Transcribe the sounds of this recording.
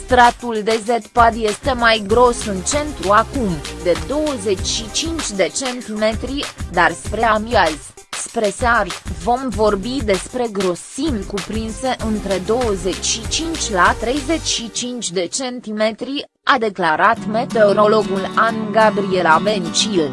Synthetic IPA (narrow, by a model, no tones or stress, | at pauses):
st̪ɾat̪uld̪e̞zet̪pad̪je̞st̪e̞majɡɾo̞sɨnt͡ʃe̞nt̪ɾuakumd̪e̞d̪o̞wəze̞t͡ʃʲʃit͡ʃint͡ʃʲd̪e̞t͡ʃe̞nt̪ime̞t̪ɾid̪arspɾe̞amiaz̥ʲ | spɾe̞sarvo̞mvo̞rbid̪e̞spɾe̞ɡɾo̞simkupɾinse̞ʔɨnt̪ɾe̞d̪o̞wəze̞t͡ʃʲʃit͡ʃint͡ʃʲlat̪ɾe̞jze̞t͡ʃʲʃit͡ʃint͡ʃʲd̪e̞t͡ʃe̞nt̪ime̞t̪ɾi | ad̪e̞klaɾat̪me̞t̪e̞oɾo̞lo̞ɡulanɡabɾie̞labe̞nt͡ʃil